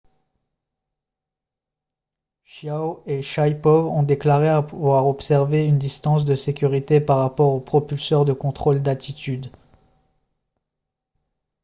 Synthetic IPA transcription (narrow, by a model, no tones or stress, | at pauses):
ʃjaoeʃajpɔvɔ̃d̪eklaʁeavwaʁɔpsɛʁveynd̪ist̪ɑ̃s̬d̪əsekʲyʁit̪epaʁːapɔʁopχɔpylsœʁd̪əkɔ̃t̪χold̪at̪ʰit̪yd̪